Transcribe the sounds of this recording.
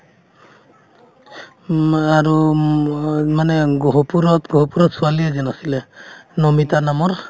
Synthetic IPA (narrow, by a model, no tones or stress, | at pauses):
aɹu | manɛɡɔɦɔpuɾɔtɡɔɦɔpuɾɔtsualiazɛnasilɛnɔmitanamɔɹ